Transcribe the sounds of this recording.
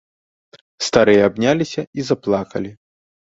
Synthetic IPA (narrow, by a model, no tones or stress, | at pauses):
st̪aɾɨjɐabnʲalʲisʲɐizɐplˠakɐlʲi